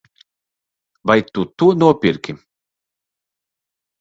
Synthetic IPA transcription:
vajt̪ut̪unuɔpʲiɾkʲi

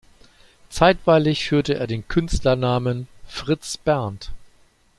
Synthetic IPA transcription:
t͡saɪtv̥aɪlɪçfyːɐtəʔḛːɐdeːnkʰʏnstlɐnaːmənfʁ̥ɪt͡sb̥ɛɐnt

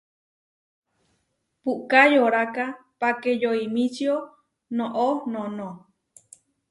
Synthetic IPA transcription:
puʔkajoɾakapakejoimĩt͡ʃio | nõʔonõnõ

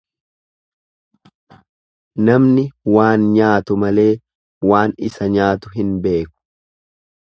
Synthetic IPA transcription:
nɐmnɪwaːnɲaːt̪ʊmɐle̞ː | waːnɪsɐɲaːt̪ʊɦɪnbe̞ːkʊ̥

